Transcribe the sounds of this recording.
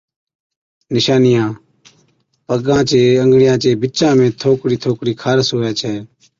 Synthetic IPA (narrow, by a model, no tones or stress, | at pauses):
nɪʃaːnɪjãː | pəɡãːt͡ʃeːəŋɡɽɪjãːt͡ʃeːbɪt͡ʃãːmẽːt̪ʰoːkɽiːt̪ʰoːkɽiːkʰaːɾsɦoːaːt͡ʃʰɛː